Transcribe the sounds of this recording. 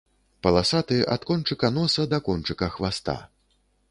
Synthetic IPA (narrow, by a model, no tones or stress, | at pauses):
pɐlˠasat̪ɨʔa̰t̪kɔnt͡ʂɨkɐnɔsɐd̪ɐkɔnt͡ʂɨkɐxvast̪a̰